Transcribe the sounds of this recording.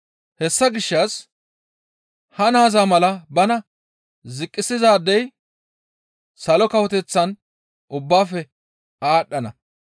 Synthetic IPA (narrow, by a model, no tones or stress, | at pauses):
hɛsːɐɡɪʃːɐs | hɐnaːzaːmɐlɐbɐnɐ | zɪkʼːɪsɪzaːd̪ːɛj | sɐlɔkɐwɔt̪ɛt͡sːɐn | ʔʊbːaːfɛ | aːɗːɐnɐ